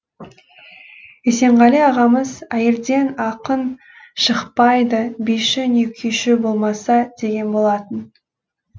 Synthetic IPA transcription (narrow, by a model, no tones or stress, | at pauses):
ese̞ɴʁɑleɑʁɑməzæjeɾd̪e̞nɑqən | ʃəqpɑjd̪əbijʃɪnekʲʰeʃɪbo̞lˠmɑsɑd̪̥e̞ɡʲe̞nbo̞lˠɑt̪ən